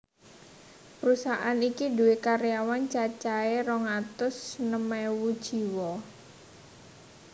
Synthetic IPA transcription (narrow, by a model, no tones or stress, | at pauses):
pəɾusaʔanikiduwekaɾjawant͡ʃat͡ʃaeɾɔŋat̪ʊsnəmɛwud̥ʒ̥i̤wɔ